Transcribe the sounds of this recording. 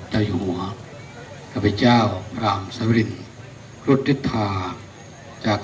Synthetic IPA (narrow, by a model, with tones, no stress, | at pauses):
t͡ɕaː˥˩wjuː˧˩hu˨˩˦ɐ | kʰaː˧˩pʰːa˧t͡ɕaː˥˩wpʰɾaː˧msa˧˦wɾi˧˩n | kʰɾu˧˥t̪̚ɾi˧˥t̪ʰːaː˧˩ | t͡ɕaː˨˩k